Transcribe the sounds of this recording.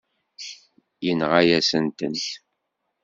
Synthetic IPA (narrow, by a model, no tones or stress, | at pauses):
jənʁajæsənt̪ənt